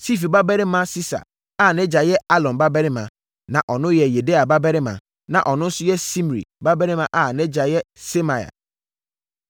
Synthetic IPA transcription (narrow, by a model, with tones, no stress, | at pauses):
si˦fi˨ba˦bɛ˦ɾɪ˦mã˦si˦sa̰˨ | a˦˨nɛ̃˦d͡ʑa˨jɛ˦a˦lɔ̃˨nba˦bɛ˦ɾɪ˦mã˨ | nã˨ʔɔ˨nʊ̃˦jɛ˨je˨de˦a˨ba˦bɛ˦ɾɪ˦mã̰˨ | nã̰˨ʔɔ˨nʊ̃˦n̩˦sʊ˦jɛ˦si˦m˨ɾḭ˨ba˦bɛ˦ɾɪ̃˦mã˨ʔa˦˨nɛ̃˦d͡ʑa˨jɛ˦se˦mã˨ja̰˨